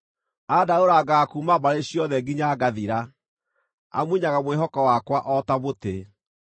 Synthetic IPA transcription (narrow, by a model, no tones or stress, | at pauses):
adaoɾaɡakumaβaɾeɕjɔðɛɡiɲaɡaðiɾa | a̰mwiɲaɣamweɦɔkɔwakwaʔɔtaβote